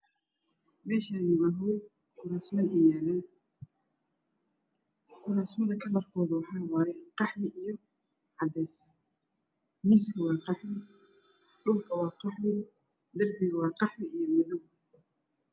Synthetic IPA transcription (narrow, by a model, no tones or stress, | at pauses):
mɛːʃaːniwɑɦu | kʰʊnasmɐɛlɛn | kʰʊnasmɐðɐkʰɐlɐrkʰɔːðʊwɑħɑːwɑːjɛqɑħmɪʔijɔ | ʕɑdɛːs | miːskʰɐwɑːqɑħmɪ | ɖʊlkʰɐwɑːqɑħmɪ | d̪ɐrbɪɣɐwɑːqɑħmɪijɔmɪðɔw